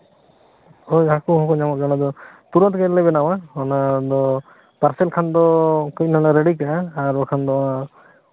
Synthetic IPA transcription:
ojakuɦɔ̃kɔɲamat̪̚ɡɔnad̪ɔt̪uɾɔt̪kɛlɛbɛnawaɔnad̪ɔ | paɾsɛlkʰand̪ɔkic̚nanaɾeɽikaːɾɔkʰand̪ɔwa

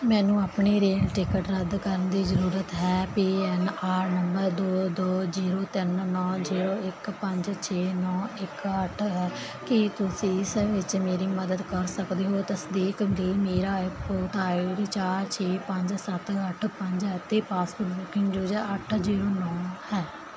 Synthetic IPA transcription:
mɛ̃ːnũːaːpɳeːɾeːlʈɪkəʈɾəd̪kəɾənd̪iːzəɾuːɾət̪ɦɛːpiːɛnaːɾnəmbəɾd̪oːd̪oːziːɾoːt̪ɪnnɔːziːɾoːɪkpəɲd͡ʒt͡ʃʰeːnɔːɪkəʈʰɦɛː | kɪt̪ʊsĩːɪsʋɪt͡ʃmeːɾiːməd̪əd̪kəɾsəkd̪eːɦoːt̪əsd̪iːkd̪iːmeːɾaːɪpoːt̪aːeɾiːt͡ʃaːɾt͡ʃʰeːpəɲd͡ʒsət̪əʈʰpəɲd͡ʒɛt̪ːeːpaːsoːʈbuːkɪ̃ŋɡd͡ʒuːd͡ʒɛəʈʰziːɾoːnɔːhɛː

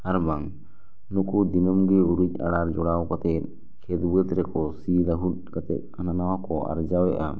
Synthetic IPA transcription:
aɾbaŋ | nukud̪inɔmɡɛuɾuɲa̰ɽaɾd͡ʒɔɽawkat̪ɛt̪̚ | kʰɛt̪buɛt̪ɾɛkɔsilaɦut̪̚kat̪ɛ̰t̪̚hananawakɔʔa̰ɾd͡ʒawɛʔa

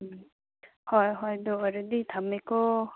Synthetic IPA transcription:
hɔjɦɔjd̪ɔɔɾɯd̪it̪ʰamːekɔ

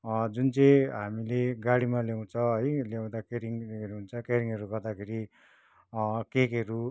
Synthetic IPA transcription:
d͡zunt͡sʌj̃ɦamileɡaɽimaljaw̃t͡sʰʌɦʌjljaw̃d̪akeɾiŋeɾuɦunt͡sʰʌkeɾiŋʌɾuɡʌrd̪akʰeɾi | kekeɾu

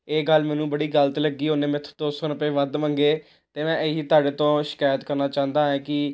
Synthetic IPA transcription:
eːɡəlmɛːnũːbəɽiːɡələt̪ləɡːiːɦoːneːmɛ̃t̪ʰd̪oːsɔːnəpeːʋəd̪ʋãːŋɡeː | t̪eːmɛ̃ːʔəiːt̪aːɽeːt̪õːʃɪ̥kaːjət̪kəɾnaːt͡ʃãːnd̪aːɦɛ̃ːkɪ

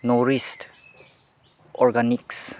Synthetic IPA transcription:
nɔɾist | ɔɾɡaniks

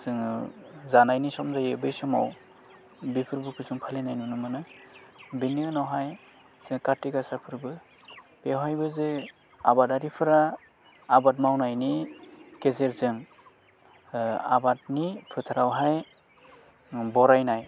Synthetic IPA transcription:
zɯŋzanajnisɔmzajebɯjsɔma̰w | bipʰɯɾbɯkʰɯzɯŋpʰalinajnunɯmɯnɯ | biniɯnɔwɦaj | z̥ɯŋkatiɡasapʰɯɾbɯ | pewɦajbɯzɯ | a̰bataɾipʰɯɾaː | bat̬̚mawnajnikezeɾzɯŋ | a̰bat̚nipʰɯtʰaɾawɦaj | bɔɾajnaj

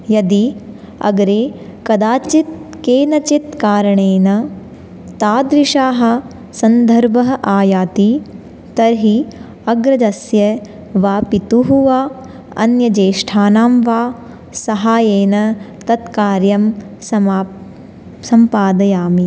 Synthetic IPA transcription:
jɐd̪i | ɐ̰ɡɐɾeːkɐd̪aːt͡ʃit̪̚keːnɐt͡ʃit̪kaːɾɐɳeːnɐ | t̪aːd̪ɾiʃaːɦɐ̆ | sɐnd̪ʱɐɾbʱɐɦɐʔaːjaːt̪i | t̪ɐɾɦi | ɐɡɾɐd͡ʒɐsjɐ | ʋaːpit̪uɦuʋaː | ɐ̰njɐd͡ʒeːʃʈʰaːnaːmʋaː | sɐɦaːjeːnɐ | t̪ɐt̪kaːɾjɐm | sɐ | sɐmpaːd̪ɐjaːmi

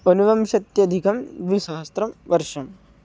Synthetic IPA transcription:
onuʋɐmʃɐt̪jɐd̪ʱikɐmʋiʃaɦɐst̪ɾɐmʋɐɾʂɐm

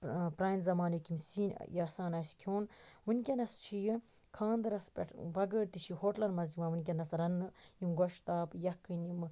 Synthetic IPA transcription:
pɾaːjnzɐmaːnikimsiːn̰jɐsaːnɐsʲkʲʰoːnʋɨnʲkʲɐnɐst͡ʃʰiji | kʰãːnd̪ɨɾɐspʲɐ̰ʈʰbɐɡəːɾt̪iʃʰihoːʈlɐnmɐziʋaːʋɨnʲk̬ʲɐnɐsɾɐnːɨjimɡoʃt̪aːpjɐkːɨnim

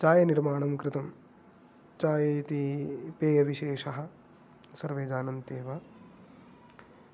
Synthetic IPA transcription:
t͡ʃaːjɐniɾmaːɳɐmkɾɪt̪ɐm | t͡ʃaːjɐt̪ipeːjɐʋiʃeːʃɐɦɐ̆ | sɐɾʋeːd͡ʒaːnɐnt̪eːʋɐ

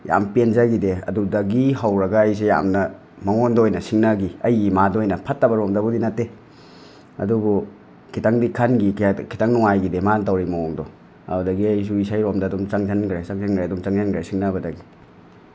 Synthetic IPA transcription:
ja̰mpenzaɡideɐ̰dudɐɡiɦɐwɾɐɡɐːjs̬eja̰mnɐ | mɐŋondojnɐsiŋnɐɡiɐjɡimadojnɐpʰɐtːɐbɐɾomdɐbudinɐtːe | ɐ̰dubu | kʰitaŋdikʰanɡikʰitaŋnuŋajɡidemantɐwɾimaoŋdɔ | a̰udɐɡiɐjs̬uisajɾomdɐːdumt͡ʃaŋzanɡɾet͡ʃaŋzanɡɾeɐdumt͡ʃaŋzankɾesiŋnɐbɐdɐɡi

